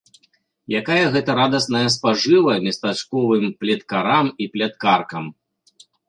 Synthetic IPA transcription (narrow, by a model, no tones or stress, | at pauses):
jakajɐɣɛt̪ɐɾad̪ɐsnɐjɐspaʐɨvɐmʲɐst̪at͡ʂkɔvɨmplʲɛt̪kaɾamiplʲɛt̪̚karkɐm